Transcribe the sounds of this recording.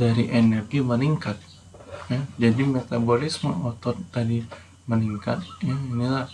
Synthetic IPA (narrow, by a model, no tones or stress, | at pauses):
daɾiʔenɛrɡiməniŋkat̪̚ | jad͡ʒadimet̪abolɪsməɔt̪ɔt̪t̪adi | məniŋka̰t̪̚jainilah